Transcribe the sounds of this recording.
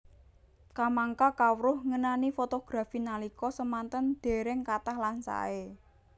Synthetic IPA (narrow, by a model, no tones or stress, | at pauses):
kamaŋkakawɾʊhŋənanifot̪oɡ̥ɾafinalikɔsəmant̪ənd̪̥e̤ɾɪŋkat̪ahlansa̰e